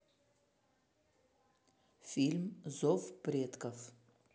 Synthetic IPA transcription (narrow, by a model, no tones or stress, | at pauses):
fʲilʲmzofprʲed̪kʼɐf